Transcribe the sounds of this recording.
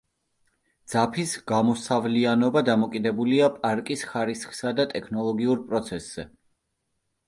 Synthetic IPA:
d̪z̥apʰisɡ̥amɔsavlianɔbad̪amɔkʼid̪ɛbuliapʼaɾkʼisχaɾisχsad̪at̪ʼɛkʰnɔlˠɔɡiuɾpʼɾɔt̪sʰɛsz̥ɛ

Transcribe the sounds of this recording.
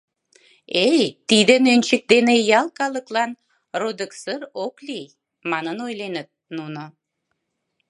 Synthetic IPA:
ejt̪id̪ənønʲt͡ɕək̚d̪enejɑlkɑləklɑn | rod̪əksərokli | mɑnənojlenət̪̚nuno

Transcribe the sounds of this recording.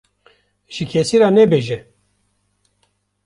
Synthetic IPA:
ʒ̥ikʰesiɾaːnɛbeːʒɛ

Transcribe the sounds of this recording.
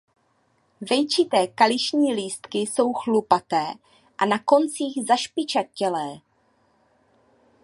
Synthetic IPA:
vɛjt͡ʃɪt̪ɛːkalɪʃɲiːliːst̪kɪso̞wxlupat̪ɛː | ʔanako̞nt͡siːɣzaʃpɪt͡ʃat̪̚cɛlɛː

